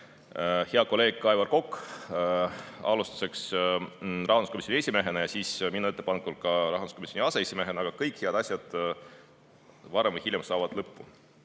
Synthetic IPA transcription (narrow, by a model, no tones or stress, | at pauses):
heɑko̞le̞ːɡ̥̚kɑevɑrko̞kː | ɑ̰lust̪u̥se̞ks | rɑɦɑnd̪u̥skomisʲˑjonie̞sʲimeɦenɑjɑsiːsminːue̞t̪ːˑepɑnekulkɑɾɑ̰ɦɑnu̥sko̞misjoniɑseesʲime̞ɦenɑɡ̥ɑkɤjkheɑd̪̥ɑsʲjɑd̪̥ | vɑɾemvɤjhiljɑmsɑːvɑd̪̥lɤpːu